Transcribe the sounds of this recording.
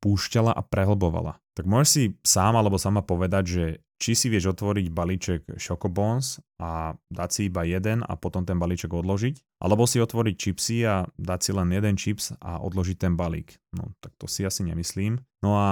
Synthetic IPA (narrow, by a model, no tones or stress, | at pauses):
puːʃcalaʔapɾɛɦl̩bɔʋa̰la̰t̪aɡ̚mʊɔʒɛʃsisaːmalɛbɔsamapɔʋɛd̪aɟʒɛ | t͡ʃisiʋɪɛʒɔt̪ʋɔɾiɟbaliːt͡ʃɛɡʃɔkɔbɔnsʔad̪acsiibajɛd̪ɛna̰pɔt̪ɔmt̪ɛnbalit͡ʃɛɡɔd̪lɔʒic | ʔa̰lɛbɔsiɔt̪ʋɔɾic̚t͡ʃipsiad̪acsilɛnjɛd̪ɛnt͡ʃipsa̰ʔɔ̰d̪lɔʒic̚t̪ɛnbalḭːknɔ̰t̪ak̚t̪ɔsiasiɲɛ̰misliːmnɔa